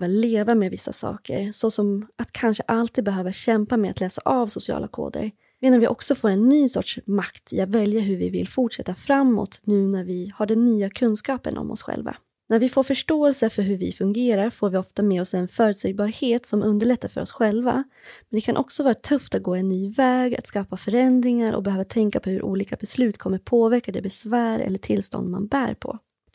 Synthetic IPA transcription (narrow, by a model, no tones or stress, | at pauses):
valeːvameːvɪsːa̰sɑ̰ːkə̰ɾsɔsɔmat̪kʰanʂəʔalt̪ʰiːd̪bɛɦøːvaɕɛmpameːa̰t̪lɛːsaʔɑvsʊsɪɑ̰ːlʔakʰo̰ːd̪ə̰ɾ | meːd̪anvɪʔɔksɔfoːɾɛnːyːsɔ̰ʈʂmakt̪ʰɪ̰at̪vɛljaɦɵɾvɪvɪ̰lfʊʈʂɛt̪ːafɾamːɔ̰t̪nʉ̟ːnæɾvɪhaɖɛnːyːakʰɵnskɑːpə̰nʔɔ̰mʔɔ̰sɧɛ̰lva̰ | næɾvɪfoːɾfœʂʈoːɛlsəfœɾɦɵɾvɪ̰fɵŋɡeːɾaɾfoːɾvɪɔft̪amɛːɔsɛnfœːɾɵt̪sɛjbɑːɾheːt̪sɔmʔɵnd̪əɭɛt̪ːaɾfœ̰ɾɔsɧɛlva̰ | mɛnd̪ɛkʰanʔɔksɔvɑːɾat̪ʰɵft̪at̪̚ɡoːɛnːyːvɛːɡa̰t̪skɑːfafœɾɛnd̪ɾɪŋaɾʔɔ̰bɛhøːvat̪ʰɛŋkapʰɔhɵɾʔṵːliːkabɛslʉ̟ːt̪kʰɔmːəpʰoːvæɾkad̪ɛbɛsvæːɾɛ̰lːəʈʰɪlst̪ɔ̰nd̪ma̰nbæ̰ːɾpʰɔ̰